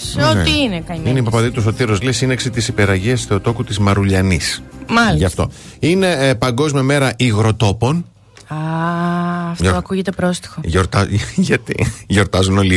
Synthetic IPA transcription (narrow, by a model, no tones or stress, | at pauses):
sont̪iinekɐɲineipɐpɐðit̪usot̪iɾozlisineksit̪isipe̞ɾɐʝiɐsθeot̪o̞kut̪izmɐɾuʎɐnismɐlʝɐft̪o̞̰ine̞pɐŋɡo̞zmiɐme̞ɾɐʔiɣɾo̞t̪o̞po̞n | ɐ | ftoɐkuʝet̪e̞pɾo̞st̪i̥xoʝoɾt̪ɐʝɐt̪ḭʝo̞ɾt̪ɐzuno̞li